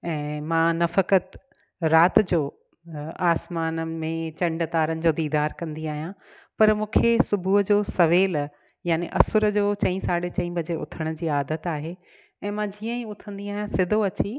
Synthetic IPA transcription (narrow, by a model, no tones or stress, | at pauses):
ɛ̃ːmãːnɐfəkət̪ | ɾaːt̪d͡ʑoː | aːsmaːnəmẽt͡ɕɐ̃ɳɖt̪aːɾənɪ̆d͡ʑoːd̪iːd̪aːɾkɐ̃nd̪iaːɦijã | pɐɾmũːkʰesʊbʱuɦd͡ʑoːsɐʋeːl | jaːnḛʔɐ̰sʊɾə̆d͡ʑoːt͡ɕɐ̃ĩsaːɽet͡ɕɐ̃ĩbɐd͡ʑeʊ̰t̪ʰəɽ̃ʊd͡ʑiːaːd̪ət̪aːɦe | ɛ̃ːmãd͡ʑiːə̃ĩʊt̪ʰə̃nd̪iaːɦijãsɪd̪ʱoɐt͡ɕi